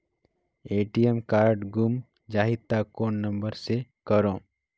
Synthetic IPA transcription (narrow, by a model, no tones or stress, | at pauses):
eːʈijemkaːɾɖɡʊm | d͡ʒaːɦɪd̪̚t̪ːakoːnnə̃mbəɾsekəɾõː